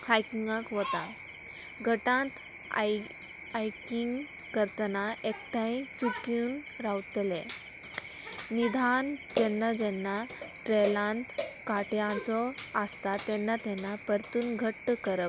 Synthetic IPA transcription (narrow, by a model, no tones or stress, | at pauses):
hajkiŋɡãkʋɔt̪a | ɡʱəʈãt̪ | ajkiŋɡ | kəɾt̪ənaekt̪ãj̃t͡sukjuːn | ɾawt̪lɛ̃ | nid̪ʱand͡ʑɛnːad͡ʑɛnːa | ʈɾelãnt̪ | kaʈjãt͡sɔast̪at̪ɛnːat̪ɛnːapəɾt̪uːnɡʱəʈːkəɾəp̚